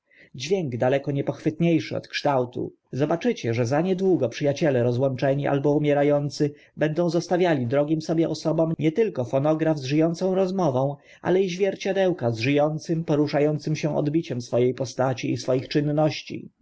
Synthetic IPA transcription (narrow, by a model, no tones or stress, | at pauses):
d͡ʑvʲjɛŋɡd̪alɛkɔɲɛpɔxfɘt̪ɲejʂɘɔ̰t̪kʂt̪awt̪ṵ | zɔbat͡ʂɘt͡ɕɛʐɛzaɲɛd̪wuɡɔpʂɘjat͡ɕɛlɛɾɔzwɔnt͡ʂɛɲiʔa̰lbɔumʲjɛɾajɔnt̪sɘ | bɛnd̪ɔ̃w̃zɔst̪avʲjalʲid̪ɾɔɡʲimsɔbʲjɛʔɔsɔbɔmɲɛt̪ɘlkɔfɔnɔɡɾavzʐɘjɔnt̪sɔ̃w̃ɾɔzmɔvɔ̃w̃ | ʔa̰lɛiʑvʲjɛɾt͡ɕad̪ɛwkazʐɘjɔnt̪sɘmpɔɾuʂajɔnt̪sɘmɕɛ̃ʔɔ̰d̪bʲit͡ɕɛmsfɔjejpɔst̪at͡ɕiːsfɔjixt͡ʂɘnːɔɕt͡ɕḭ